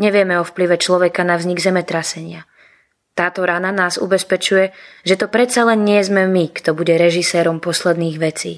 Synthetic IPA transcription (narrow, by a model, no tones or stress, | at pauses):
ɲɛʋɪɛmɛɔfpliʋɛt͡ʃlɔʋɛkanavzɲiɡzɛmɛt̪ɾasɛɲɪa | t̪aːt̪ɔɾananaːzṵbɛspɛt͡ʃujɛʒɛt̪ɔpɾɛt̪t͡salɛnɲɪɛzmɛmikt̪ɔbuɟɛɾɛʒisɛːɾɔmpɔslɛd̪niːɣʋɛt͡sḭː